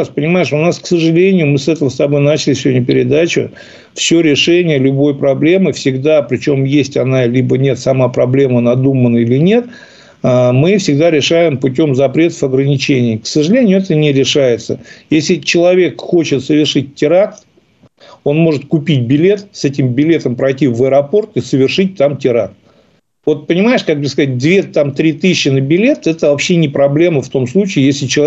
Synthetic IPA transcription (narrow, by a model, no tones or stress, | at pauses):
aspənʲɪmajɪʂʊnasksəʐɨlʲenʲɪjʊmɨsɛt̪əvəst̪ɐbo̞jnat͡ɕɪlʲɪsʲɪvo̞dʲnʲʊpʲɪɾʲɪd̪at͡ɕʊ̰ | fsʲɵɾʲɪʂɛnʲɪjəlʲʊbo̞jpɾɐblʲe̞mɨfsʲɪɡd̪apɾʲɪt͡ɕo̞mjesʲtʲɐnalʲibənʲe̞t̪sɐmapɾɐblʲe̞mənɐd̪umənəilʲɪnʲe̞t̪ | əmɨfsʲɪɡd̪aɾʲɪʂajɪmpʊtʲo̞mzɐpɾʲe̞t̪ə̥fɐɡɾənʲɪt͡ɕenʲɪːksəʐɨlʲenʲɪjʊɛt̪ənʲɪɾʲɪʂajɪt̪sə̰jesʲlʲɪt͡ɕɪlˠɐvʲe̞kxo̞t͡ɕɪt̪səvʲɪrʂɨt̚ʲtʲːɪɾakt̪ | o̞nmo̞ʐɨt̪kʊpʲit̚ʲbʲɪlʲe̞t̪sɛtʲɪmbʲɪlʲe̞t̪əmpɾɐjtʲivəɾɐpo̞rt̪ɨsəvʲɪrʂɨt̚ʲt̪amtʲɪɾak̚t̪ | vo̞t̪̚pənʲɪmaɪʂkak̚b̪əskɐzat̚ʲd̪vʲet̪amt̪ɾʲit̪ɨɕːɪnəbʲɪlʲe̞t̪ɛt̪əvɐpɕːenʲɪpɾɐblʲe̞məft̪o̞mslˠut͡ɕɪːjesʲlʲɪt͡ɕɪ